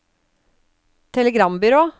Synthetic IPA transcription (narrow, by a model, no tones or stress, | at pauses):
t̪ʰɛləɡɾɑmbʏɾoː